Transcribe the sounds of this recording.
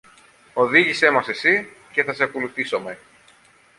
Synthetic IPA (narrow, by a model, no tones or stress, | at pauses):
o̞ðiʝise̞mɐse̞si | ce̞θɐseɐkoluθiso̞me